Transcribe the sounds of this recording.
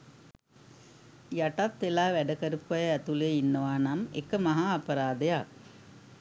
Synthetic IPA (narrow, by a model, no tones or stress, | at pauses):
jaʈat̪t̪elaːʋæɖəkəɾupʋɐjəæt̪uleinːəʋaːnamḛkəmaɦaːpəɾaːd̪əjak̚